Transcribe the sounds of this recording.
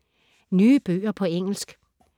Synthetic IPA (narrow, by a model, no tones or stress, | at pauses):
nyːəb̥ø̰ːɐpʰɒ̽eŋ̰l̩sɡ̥